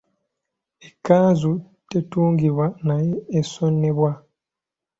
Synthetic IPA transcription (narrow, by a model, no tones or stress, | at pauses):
ekːaːzu | tetuːŋɡiβwanajeːsonːe̞βwa